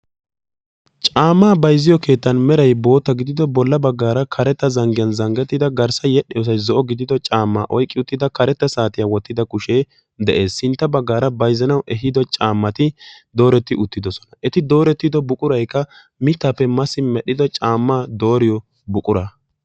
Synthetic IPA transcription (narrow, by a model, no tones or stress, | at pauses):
t͡ʃʼaːmːaːbɐjzɪjɔke̞ːt̪ːɐnmɛɾɐjbo̞ːt̪ːɐɡɪd̪ɪd̪ɔbɔlːɐbɐɡːaːɾɐkʰɐɾɛt̪ːɐzɐŋɡɪjɐnzɐŋɡɛt̪ːɪd̪ɐɡɐɾsɐjɛɗɪjɔːs̬ɐjzɔʔɔɡɪd̪ɪd̪ɔt͡ʃʼaːmːaːʔɔjkʼːɪʊt̪ːɪd̪ɐkɐɾɛt̪ːɐsaːt̪ɪjawɔt̪ːɪd̪ɐkʊʃe̞ː | d̪ɛʔe̞ːsːɪnt̪ːɐbɐɡːaːɾɐbɐjzɐnɐwʔɛɦɪd̪ɔt͡ʃʼaːmːɐt̪ɪd̪o̞ːɾɛt̪ːɪʔʊt̪ːɪd̪ɔsɔ̥nɐʔɛt̪ɪd̪o̞ːɾɛt̪ːɪd̪ɔbʊkʼʊɾɐjkːɐ | mɪt̪ːapːɛmɐsɪmɛɗɪd̪ɔt͡ʃʼaːmːaːd̪o̞ːɾɪjɔ | bʊkʼʊɾaː